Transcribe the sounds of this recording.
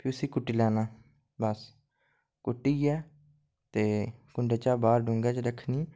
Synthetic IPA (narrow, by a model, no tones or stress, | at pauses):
pʰɪʊsiːkʊʈːiːlɛːnaː | bəs | kʊʈːiːɛː | t̪eːkʊɳɖeːt͡ʃaːbaːɾɖʊŋɡɛːt͡ʃɾəkʰniː